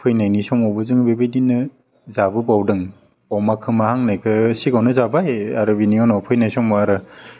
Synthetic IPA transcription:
pʰɯjnajnisɔŋɔbɯzɯŋbebejdinːɯ | zabɯbawdɯŋ | ɔmakʰɯmahaŋnajkʰɯsikawnɯzabajaɾɯbiniɔnɔpʰɯjnajsɔŋɔaɾɯ

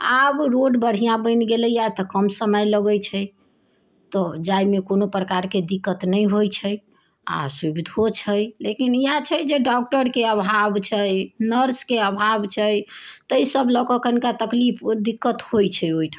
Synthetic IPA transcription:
abɾoɖbəɽ̤ijãbə̃ɪnɡelɛjat̪əkəmsəməjləɡəjt͡ʃʰə | t̪ɔd͡ʒajmekonopɾəkaɾked̪ikːət̪nəjɦojt͡ʃʰəj | a̰subid̪ʱot͡ʃʰəjlekinijat͡ʃʰəd͡ʒeɖɔk̚ʈəɾkeəbʱabt͡ʃʰəjnəɾskeəbʱabt͡ʃʰəjt̪əjsəblɔkəkənkat̪əklipʰd̪ikːət̪hojt͡ʃʰɛjoiʈʰa

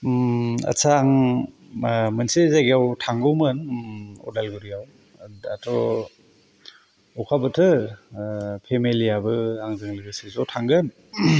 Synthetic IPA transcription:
ɐ̰sʰaŋ | mɯnsezaɡijawtʰaŋɡɯwmɯnɔ̰dalɡuɾijaw | atʰɔ | ɔkʰabɯtʰɯ | pʰemelijabɯaŋzɯŋlɯɡɯsizɔwtʰaŋɡɯn

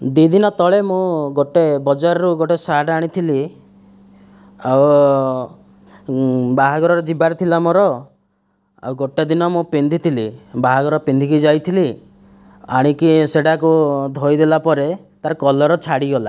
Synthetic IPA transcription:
d̪id̪inɔt̪ɔɭemũɡoʈebɔd͡ʒaɾɔɾuɡoʈesaɽaɽ̃it̪ʰili | aw | baɦaɡɔɾɔɾɔd͡ʒibaɾt̪ʰilamɔɾɔ | a̰wɡoʈed̪inɔmũpend̪ʱit̪ʰilibaɦaɡɔɾɔpend̪ʱikid͡ʒajt̪ʰili | a̰ɽ̃ikiseɽakud̪ʱojd̪elapɔɾet̪aɾkɔlɔɾɔt͡ʃʰaɽiɡɔla̰

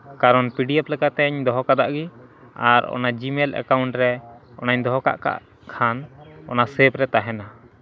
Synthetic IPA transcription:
kaɾɔnpiɖiɛplɛkat̪ɛɲd̪ɔɦɔkad̪aʔɡi | aɾɔ̰nad͡ʒimɛlʔɛ̰kawuɳʈɾɛɔ̰naɲd̪ɔɦɔka̰ʔka̰ʔ | kʰanɔ̰nasɛpɾɛt̪aɦɛna

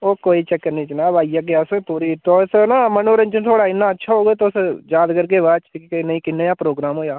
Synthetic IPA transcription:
oːkoːiːt͡ʃɛkːənĩːt͡ʃnaːʋaːijaːɡeaspuːɾiːt̪oːsnaːmənoːɾə̃nt͡ʃət̪ʰoːɽaːɪnːãːətːʃʰaːɦoːɡeːt̪oːsjaːd̪kəɾkeːʋaːt͡ʃtikikinəĩkɪnːejãːpɾoːɡɾaːmɦoːjaː

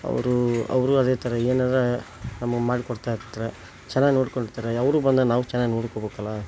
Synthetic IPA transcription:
ɐ̰ʋɾuɐ̰ʋɾuɐd̪et̪ɐɾeeːnaːd̪ɾe | nɐmɐɡemaːɽikɔɽt̪aːjiɾt̪ːɐɾe | t͡ʃɛnːaːɡinoːɽkoɳɖiɾt̪aːɾeɐʋɐɾubɐnd̪enaːʋut͡ʃɛnːaːɡinoːɽkobeːkɐlːɐ

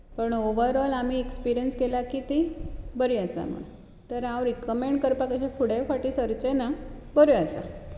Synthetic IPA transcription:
pəɳoʋəɾɔlam̤iekspiɾijənskelakit̪ibəɾiasa̰m̤ə̰ɽ | t̪əɾãwɾikəmeɳɖkəɾpakəɕafʰuɽefaʈisəɾt͡ɕenabəɾjuasa̰

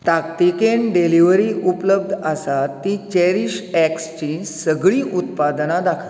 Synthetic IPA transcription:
t̪akt̪ikenɖeliʋɾiʔupləbd̪ʱəsat̪ːit͡ɕɛɾiɕɛkst͡ɕinsəɡɭiːʔut̪pad̪nãd̪akʰə̥

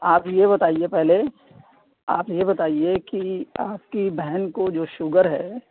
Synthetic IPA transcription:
aːpjebɐt̪aːiepɛɦle | a̰ːpjebɐt̪aːiekiaːpkibɛɦɛnkod͡ʒoːʃʊɡəɾɦɛ̰ː

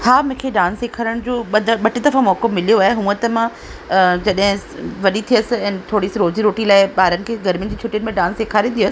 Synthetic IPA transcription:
haːmũːkʰeɖãːnsːeːkʰaːɾəɽ̃d͡ʑoːɓɐd̪ʱɓɐʈɪd̪ɐfãmɔːkomɪlijoaːɦeɦũə̃t̪ɐmã | d͡ʑɐɗɦɪ̃ | ʋɐɗit̪ʰijəsɪ̆ɛ̃ːnt̪ʰoːɽisɾoːd͡ʑiɾoːʈilaːɪɓaːɾənɪ̆kʰeːɡɐɾmijə̃nd͡ʑiːt͡ɕʰʊʈiənɪ̆mẽɖãːnseːkʰaːɾĩnd̪ijəs

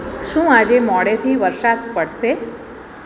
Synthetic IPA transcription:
ʃũːad͡ʒemɔɽet̪ʰiʋəɾsat̪pəɽʃe

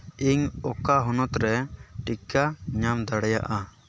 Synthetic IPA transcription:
iɲɔkaɦɔnɔt̪ɾɛʈikaɲamd̪aɽɛja̰ʔa

